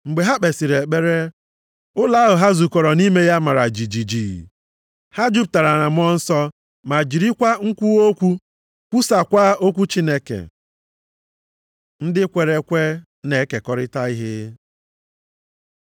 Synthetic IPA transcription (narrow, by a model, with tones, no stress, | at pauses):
ŋ͡m̩˨ɡ͡be˨ɦa˦ɓe˨si˨ɾe˨k͡pe˦ɾe˦ | ʊ˦la˨˦ɦʊ˨ɦa˦zu˨kɔ˨ɾɔ˨ni˦me˦ja˦ma˨ɾa˨d͡ʒi˨d͡ʒi˨d͡ʒi˨ | ha˦d͡ʒu˦p̚ta˨ɾa˨na˨mʊ˦ɔ˦n̩˦sɔ˦ | ma˨d͡ʒi˨ɾi˦kʷa˦ŋ̩˦kʷu˦o˦kʷu˦ | kʷu˦sa˨kʷa˦o˦kʷu˦t͡ʃi˦ne˦kḛ˨ | n̩˦dɪ˦kʷe˨ɾe˨kʷe˦ | ne˨˦ke˨kɔ˦ɾɪ˦ta˦i˦ɦɪ˦